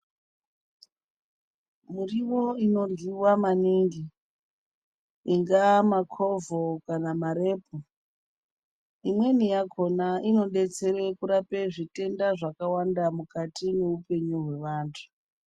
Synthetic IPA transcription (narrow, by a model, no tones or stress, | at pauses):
muriwo̞ino̞rwiwamaniŋɡi | iŋɡamakʰo̞vokanamaɾe̞ːp̚ʰo | imwe̞nijakʰo̞naino̞ɗe̞t͡se̞ɾekuɾape̞ʐite̞ndaʐakawandamukatine̞upe̞ɲuɦwe̞ʋaːntʰu̥